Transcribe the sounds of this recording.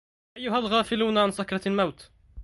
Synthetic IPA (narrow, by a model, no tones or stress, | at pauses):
ʔajːʊɦalɣaːfɪluːnʕansakɾˤɑlmawt̪